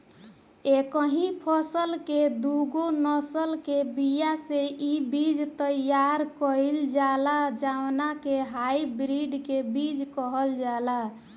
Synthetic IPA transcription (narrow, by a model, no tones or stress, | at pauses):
ekəɦĩpʰəsəlked̪uɡonəsəlkebijaseʔibid͡ʒt̪əjjaɾkəɪld͡ʒalad͡ʒawnakeɦajbɾiɖkebid͡ʒkəɦəld͡ʒala